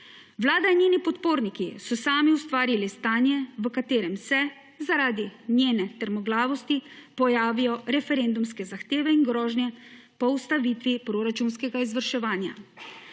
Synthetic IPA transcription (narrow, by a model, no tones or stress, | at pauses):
ʋlaːd̪ainjeːnipɔt̪poːɾnikisɔsaːmiust̪ʋaːɾilist̪aːnjɛʋəkat̪eːɾɛmsɛ | zaɾaːd̪injeːnɛt̪əɾmɔɡlaːʋɔst̪ipɔjaːʋijɔɾɛfɛɾeːnd̪umskɛzaxt̪eːʋɛinɡɾɔːʒnjɛ | pɔust̪aʋiːt̪ʋipɾoːɾat͡ʃunskɛɡaizʋəɾʃɛʋaːnja̰